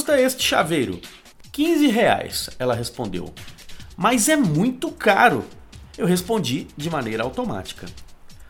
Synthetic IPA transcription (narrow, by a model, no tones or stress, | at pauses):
st̪ɐest͡ʃɪ̥ʃa̰vejɾʊ̰ | kĩzɪɦea̰jsɛlɐɦespõnd̪ḛwmɐzɛmũj̃t̪ʊkaɾʊ̰ewɦespõnd͡ʒid͡ʒɪmanejɾɐawt̪oma̰t͡ʃi̥kɐ